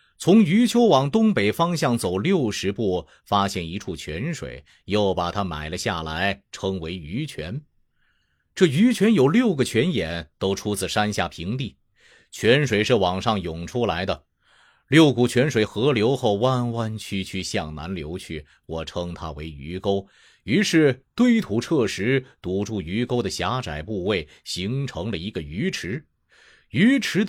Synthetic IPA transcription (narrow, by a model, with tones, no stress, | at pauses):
t͡sʰʊ˧˥ŋy˧˥t͡ɕʰjo˥ʊwɑ˨˩ŋt̪ʊ˥ŋpe˨˩ɪfɑ˥ŋɕjɑ˥˩ŋt͡so˨˩ʊljo˥˩ʊʂɻ̩˧˥pu˥˩ | fa˥ɕjɛ˥˩ni˧˥ʈ͡ʂʰu˥˩t͡ɕʰɥɛ˧˥nʂwḛ˨˩ɪ | jo˥˩ʊpa˨˩t̪ʰa˥ma̰˨˩ɪlə˦ɕja˥˩la˧˥ɪʈ͡ʂʰɤ˥ŋwe˧˥ɪy˧˥t͡ɕʰɥɛ˧˥n | ʈ͡ʂɤ˥˩y˧˥t͡ɕʰɥɛ˧˥njo˨˩ʊljo˥˩ʊɡə˩t͡ɕʰɥɛ˧˥njɛ˨˩˦nt̪o˥ʊʈ͡ʂʰu˥t͡sɹ̩˨˩ʂa˥nɕja̰˥˩pʰi˧˥ŋt̪i˥˩ | t͡ɕʰɥɛ˧˥nʂwe˨˩ɪʂɻ̩˥˩wɑ˨˩ŋʂɑ˥˩ŋjʊ˨˩ŋʈ͡ʂʰu˥la˧˥ɪd̪ə˧ | ljo˥˩ʊku˨˩t͡ɕʰɥɛ˧˥nʂwe˨˧˩ɪxɤ˧˥ljo˧˥ʊxo˥˧ʊwa˥˧nwa˥nt͡ɕʰy˥t͡ɕʰy˥˧ɕjɑ˥˩ŋna̰˧˥nljo˧˥ʊt͡ɕʰy˥˩ | wɔ˨˩ʈ͡ʂʰɤ˥ŋt̪ʰa̰˥we˧˥ɪy̰˧˥ko˥ʊ | y˧˥ʂɻ̩˥˩t̪we˥ɪt̪ʰu˧˥ʈ͡ʂʰɤ˥˩ʂɻ̩˧˥t̪u˧˨˩ʈ͡ʂu˥˩y˧˥ko˥ʊd̪ə˨ɕja˧˥ʈ͡ʂa˨˩ɪpu˥˧we˥˩ɪ | ɕi˧˥ŋʈ͡ʂʰɤ˧˥ŋlə˨i˧˥ɡə˧y˧˥ʈ͡ʂʰɻ̩˧˥ | y˧˥ʈ͡ʂʰɻ̩˧˥